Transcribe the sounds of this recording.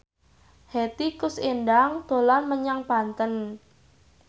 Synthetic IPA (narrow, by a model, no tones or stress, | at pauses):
het̪ikʊsendaŋd̪̥o̤lanməɲaŋpant̪ən